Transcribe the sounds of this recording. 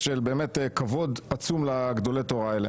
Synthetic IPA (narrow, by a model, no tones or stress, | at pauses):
ʃelbe̞ːmet̪kavo̞d̪at͡sumlaɡd̪o̞let̪oʁaele